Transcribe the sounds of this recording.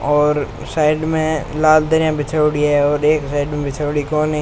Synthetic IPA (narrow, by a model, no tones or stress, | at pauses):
ɔːɾ | saːɪɖmẽlaːld̪əɾjãbɪt͡ʃʰaːʊɽiɦɛɔːɾeːksaːɪɖmẽbɪt͡ʃʰaʊɽikɔːnɦɛ